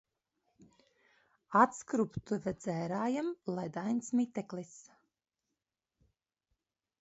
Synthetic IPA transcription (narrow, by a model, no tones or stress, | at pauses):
at̪skɾupt̪uvɛd̪z̥ɛːɾaːjamlˠɛd̪ajnsmit̪ɛklis